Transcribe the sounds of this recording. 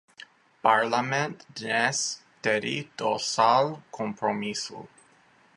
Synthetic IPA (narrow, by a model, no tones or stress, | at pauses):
paɾlamẽnt̪nɛs | t̪eɾḭt̪osalkʰompɾomisṵ